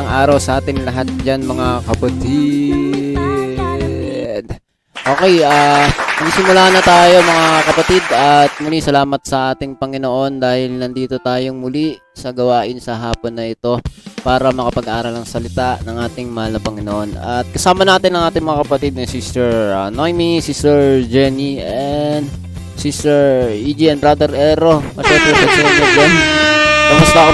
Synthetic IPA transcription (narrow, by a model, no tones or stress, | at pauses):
ɐŋʔaːɾɐwsɐʔaːt̪ɪŋlɐɦat̪̚d͡ʒanmɐŋakɐpɐt̪i | d̪̚ | ʔo̞ːkɛjaːnɐɡsɪmʊlaːhɐnːɐt̪aːjo̞mɐŋakɐpɐt̪id̪ɐt̪̚mʊlisɐlaːmɐt̪̚sɐʔaːt̪ɪŋpɐŋɪno̞ʔo̞nd̪aːhɪlnɐnd̪iːt̪o̞t̪aːjo̞ŋmʊli | sɐɡɐwaːʔɪnsɐɦaːponːɐʔɪt̪o̞paːɾɐmɐkɐpɐɡʔaːɾɐlɐŋsɐlɪt̪aʔnɐŋʔaːt̪ɪŋmɐhalnɐpɐŋɪnoʔo̞nɐ̰t̪̚kɐsaːmɐnaːt̪ɪnːɐŋʔaːt̪ɪŋmɐŋakɐpɐt̪id̪̚nɐsisɛɹɐnojmisisɛɹd͡ʒɛniʔɛn | sisɛɹid͡ʒiɛnbɾad̪ɛɾʔɛɾoʔɐʃɛmpɾɛsɛsɛɾsɛɾd͡ʒɛnikɐmʊst̪ɐko